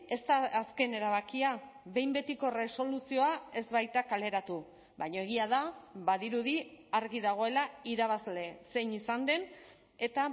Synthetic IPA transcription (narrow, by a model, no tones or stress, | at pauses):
e̞st̪aːske̞ne̞ɾaβ̞akiaβe̞jmbe̞t̪iko̞re̞so̞lusio̞ae̞zβajt̪akale̞ɾat̪u | bajɲo̞e̞ɣ̞iaðaβaðiɾuðiaɾɣiðaɣ̞o̞e̞laiɾaβ̞azle̞se̞jnisand̪e̞n | e̞t̪a